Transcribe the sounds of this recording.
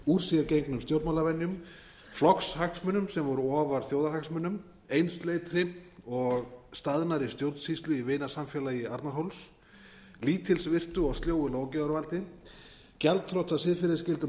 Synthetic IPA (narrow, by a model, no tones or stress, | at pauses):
uɾ̥sijɛɾcejŋknʏmst̪jowɾt̪malavɛnːjʏm | flɔkshaksmʏnʏmsɛmvɔɾʏɔːvaɾ̥θjoːwðaɾhaksmʏnːʏm | ejnst̪leːjt̪ɾɪɔɣst̪aðnaɾɪst̪jowɾt̪n̥shist̪lʏivɪːnasamfjɛːlajɪaɾt̪naɾɦowls | liːt̪ʰɪlsvɪr̥t̪ʏɔɣst̪ljoːwɪloːwcɛðʏɾvalt̪ɪ | cɛlt̪fɾowt̪ʰasɪðfɪɾɪðɪscɪlt̪ʏ